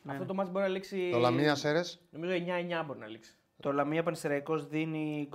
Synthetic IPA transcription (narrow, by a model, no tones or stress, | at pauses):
nɐft̪ot̪o̞mɐsibo̞ɾinɐliksit̪olɐmiɐseɾesnomizoieɲɐeɲɐbo̞ɾinɐliksi̥ | t̪olɐmiɐp̬ɐnist̪eɾɐiko̞zðinik